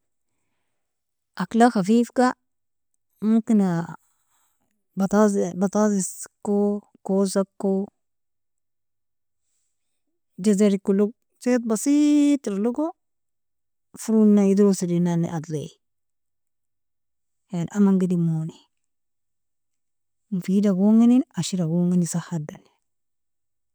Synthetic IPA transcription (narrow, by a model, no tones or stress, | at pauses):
ʔaklaxafiːfka | mumkina | bat̪azbat̪aziskːo | kosakːo | d͡ʒazaɾikːuluɡ | set̪̬̚basit̪lluɡo | fuɾunːaid̪ɾosidinanḭʔad̪le | janʔamaŋɡidimoni | mufidaɡoŋininaʃiɾaɡoŋinisahadan